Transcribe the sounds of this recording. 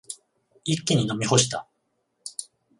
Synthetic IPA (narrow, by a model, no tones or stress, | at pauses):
ikʲːiɲ̟ino̞mʲiho̞ɕi̥t̪a̰